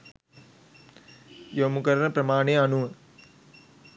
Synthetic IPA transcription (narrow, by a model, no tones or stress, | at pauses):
jomukɐɾɐɳɐpɾɐmaːɳeːɐnuʋɐ